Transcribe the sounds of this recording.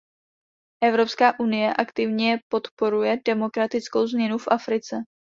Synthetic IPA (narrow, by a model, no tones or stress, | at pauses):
ʔɛvɾo̞pskaːʔunɪjɛʔakt̪ɪvɲɛɛpo̞t̪po̞ɾujɛdɛmo̞kɾat̪ɪt͡sko̞wzmɲɛnufʔafɾɪt͡sɛ